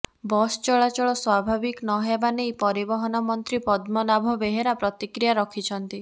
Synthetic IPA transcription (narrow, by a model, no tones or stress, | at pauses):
bɔst͡ʃɔɭat͡ʃɔɭɔswabʱabiknɔɦjabanejpɔɾibɔɦɔnɔmɔnt̪ɾipɔd̪mɔlabʱɔbeɦeɾapɾɔt̪ikɾijaɾɔkʰit͡ʃʰɔnt̪i